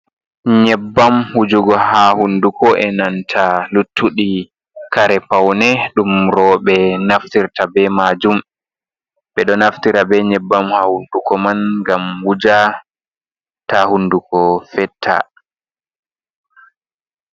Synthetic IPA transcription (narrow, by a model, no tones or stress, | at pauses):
ɲɛbːamhud͡ʒuɡɔhahundukɔʔɛnantʰalutʰːuɗi | kaɾɛpawnɛɗumɾɔɓɛnaftiɾtabɛmad͡ʒum | ɓɛɗɔnaftiɾabɛɲɛbːamhahundukɔmanɡamwud͡ʒa | tahundukɔfɛtʰːa̰